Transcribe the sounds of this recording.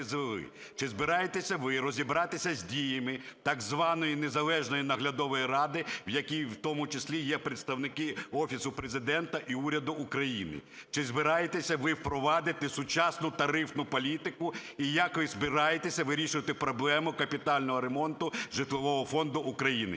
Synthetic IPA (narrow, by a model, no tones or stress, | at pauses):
zɪlˠɪ̰ | t͡ʃɪzbɪɾɑjet̪esʲɐʋɪɾɔzʲibɾɑt̪ɪsʲɐzʲdʲijɐmɪt̪ɐɡzʋɑnɔjinezɐlˠɛʒnɔjinɐɦlʲɐd̪ɔʋɔjirɑd̪ɪwjɐkʲijwt̪ɔmʊt͡ʃɪsʲlʲijɛpɾet̪st̪ɐwnɪkɪɔfʲisʊpɾezɪd̪ɛnt̪ɐʔiuɾʲɐd̪ʊːkɾɐjinɪ̰t͡ʃɪzbɪɾɑjet̪esʲɐʋɪwpɾɔʋɑd̪ɪt̪ɪsʊt͡ʃɑsnʊt̪ɐɾɪfnʊpɔlʲit̪ɪkʊijɐkʋɪzbɪɾɑjet̪esʲɐʋɪɾʲiʃʊʋɐt̪ɪpɾɔblˠɛmʊkɐpʲit̪ɑlʲnɔɦɔɾemɔnt̪ʊʒɪt̪lˠɔʋɔɦɔfɔnd̪ʊʔːkɾɐjinɪ̰